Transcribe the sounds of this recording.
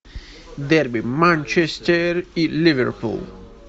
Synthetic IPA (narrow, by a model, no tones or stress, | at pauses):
d̪ɛɾbimãnt͡ʃɛst̪ɛɾilivɛ̰ɾpṵl